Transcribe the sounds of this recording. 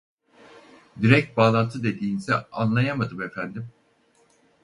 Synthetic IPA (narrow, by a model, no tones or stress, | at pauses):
d̪iɾɛc̚t̪̚baːlˠant̪ʰɯd̪e̞d̪iːnsɛ̰anlˠajamad̪ɯme̞fænd̪im